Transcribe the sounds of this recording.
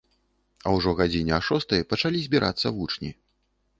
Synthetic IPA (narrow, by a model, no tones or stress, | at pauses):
ɐwʐɔɣad͡zʲinʲɛaʂɔst̪ɐjɐpɐt͡ʂalʲizʲbʲiɾʔa̰t̪sːɐvut͡ʂnʲḭ